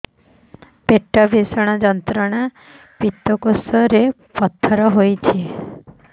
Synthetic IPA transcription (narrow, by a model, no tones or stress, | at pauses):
peʈːɔbʱisɔɽ̃ad͡ʒɔnt̪ɾɔɽ̃a | pit̪ːɔkosɔɾe | pɔt̪ʰːɔɾɔɦojt͡ʃʰie